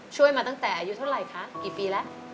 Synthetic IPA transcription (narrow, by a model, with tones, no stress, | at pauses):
t͡ɕʰu˥˩əjmaː˧t̪a˥˩ŋt̪ɛː˨˩ʔaː˧ju˦˥t̪ʰɾa˧˩jkʰa˦˥kiː˨˩piː˧lɛ˦˥ʔ